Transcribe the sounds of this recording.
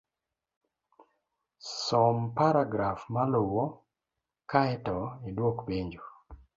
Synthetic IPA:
sɔmpaɾaɡɾafmalowo | kaɛtɔidwokpeɲd͡ʒu

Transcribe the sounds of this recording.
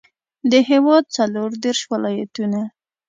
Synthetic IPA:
d̪əɦewɑd̪̚t͡saloɾd̪eɾʃwalɑja̰t̪una

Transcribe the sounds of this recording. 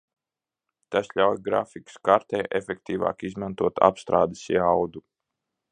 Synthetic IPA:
t̪asʎʲawjɡɾa̰fikə̥skaɾt̪ɛjʔefʲek̚t̪iːva̰ːkizmant̪uɔt̪ʰa̰pst̪ɾaːd̪e̥sḭawd̪u

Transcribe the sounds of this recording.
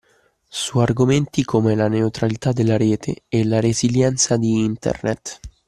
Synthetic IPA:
suarɡoment̪ikʰomelaneut̪ɾalit̪ad̪ːelːaɾeːt̪ʰḛɛlaɾeziljɛnt̪sad̪iint̪ḛrnḛt̪ː

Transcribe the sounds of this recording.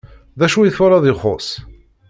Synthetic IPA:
ðæʃujiθʊɾɑðɪχos

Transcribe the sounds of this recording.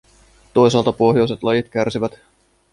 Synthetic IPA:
t̪o̞js̬ɑːlt̪ɑpo̞ɦjo̞jse̞t̪lɑjit̪k̟ærsiʋæt̪

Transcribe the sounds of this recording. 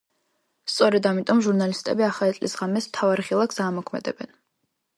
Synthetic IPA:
st̪sʼɔɾɛd̪amit̪ʼɔmʒuɾnalist̪ʼɛ̰biaχaɛt̪sʼlḭsʁamɛst̪ʰavaɾiχilˠakʰsaːmɔkʰmɛ̰d̪ɛ̰bɛn

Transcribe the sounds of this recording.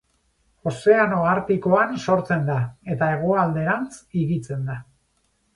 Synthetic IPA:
o̞se̞ano̞ɣaɾt̪iko̞anso̞ɾt͡se̞nd̪ae̞t̪aeɣ̞oald̪e̞ɾant͡siɣit͡se̞nd̪a

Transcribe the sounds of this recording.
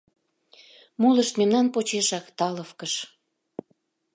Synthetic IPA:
mulə̆ʃt̪memnɑnpot͡ɕeʃɑkt̪ɑləfkəʃ

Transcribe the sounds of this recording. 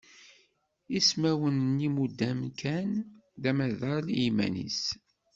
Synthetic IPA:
ismæwənnimud̪ːæmkʰænðæmæðəɾlimæ̰nḭs

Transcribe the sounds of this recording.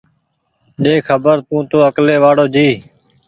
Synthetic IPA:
ɗeːkʰəbəɾt̪ũːt̪õːəkleːʋaːɽoːd͡ʒiː

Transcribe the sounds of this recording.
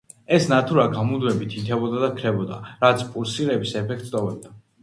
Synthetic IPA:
ɛsnat̪ʰuɾaɡamud̪wɛbit̪ʰit̪ʰɛbɔd̪ad̪akʰɾɛbɔd̪aɾat̪sʰpʼuɾsiɾɛbisɛpʰɛk̚ʰt̪ʼt̪ʼɔbɛb̚d̪a

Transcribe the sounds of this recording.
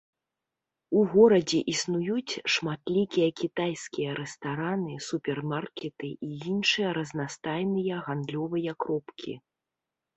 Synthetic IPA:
uɣɔɾɐd͡zʲɛʔisnujut͡sʲʂmat̪lʲikʲijɐkʲit̪ajsʲkʲijɐɾɛst̪aɾanɨsupʲɛrmarkʲɛt̪ɨʔijinʂɨjɐɾɐznast̪ajnɨjɐɣand̪lʲɔvɨjɐkɾɔpkʲḭ

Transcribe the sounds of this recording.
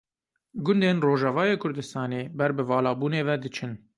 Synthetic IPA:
ɡʊnd̪eːnroːʒɑvɑːjeːkʰʊɾd̪ɨst̪ɑːneːbɛɾbɨvɑːlɑːbuːneːvɛd̪ɨt͡ʃʰɨn

